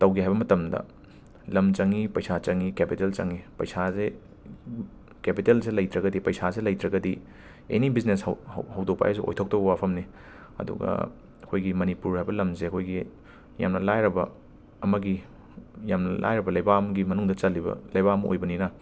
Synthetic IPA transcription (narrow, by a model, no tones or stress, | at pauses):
tɐwɡiɦajbɐmɐtɐmdɐ̰ | lɐmt͡ʃɐŋipɐjsat͡ʃɐŋikepitelt͡ʃɐŋipɐ̰jsaze | kepitelselɐjtɾɐɡɐdipɐjsaselɐjtɾɐɡɐdi | ḛnibizneshɐwdok̚pa̰jas̬uʔo̰jtʰok̚tobɐwapʰɐmni | ɐ̰dṵɡɐ̰ | ɐkʰojɡimɐnipuɾhajbɐlɐmseɐkʰojɡi | ja̰mnɐlajɾɐbɐː | mɐɡi | jamnɐla̰jɾɐbɐlɐjbamɐɡimɐnuŋdɐt͡ʃɐlːibɐ̰lɐjbaɐmɐʔo̰jbɐninɐ